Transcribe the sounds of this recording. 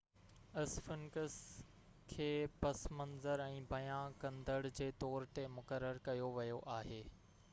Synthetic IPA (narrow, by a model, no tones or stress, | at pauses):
ɐsfɪnkəs | kʰeːpɐsmɐ̃nzəɾɛ̃ːbɐjãkɐ̃nd̪əɽd͡ʑeːt̪ɔːɾt̪emʊkəɾːəɾkɐjoʋɐjoʔaːɦeː